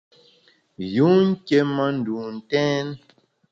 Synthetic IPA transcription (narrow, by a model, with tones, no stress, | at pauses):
ju˨˦ŋ̩˦ke˦ma˦n̩˨du˨n̩˨tɛ̃˦n